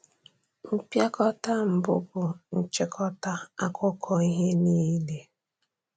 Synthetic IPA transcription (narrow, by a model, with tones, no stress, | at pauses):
m̩˦pja˦kɔ˦ta˦m̩˨bʊ̰˦bʊ˨n̩˨t͡ʃe˨kʰɔ˦ta˦a˦kʊ˦kʰɔ˨i˦ɦe˦niː˦le˦